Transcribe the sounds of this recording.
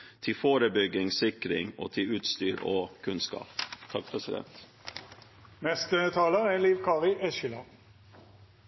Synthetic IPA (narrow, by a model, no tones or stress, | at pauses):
t̪ʰɪfoːɾəbʏɡɪŋsɪkɾɪ̰ŋo̰ːt̪ʰɪʉːt̪st̪yːɾoːkʰʉnskɑ̰ːpt̪ʰɑk̚pʰɾɛsɪd̪ɛ̰nt̪ | nɛst̪ət̪ʰɑːləæliːʋkʰɑːʁɪʔɛʃəlɑ̰n